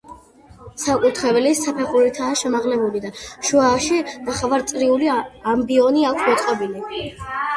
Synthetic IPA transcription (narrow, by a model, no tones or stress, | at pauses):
sakʼut̪ʰχɾɛbɛlisapʰɛχuɾit̪ʰaːʃɛmaʁlɛbulid̪aʃuaːʃinaχavaɾt̪sʼɾiuliambiɔniakʷʰmɔt̪sʼqʼɔbili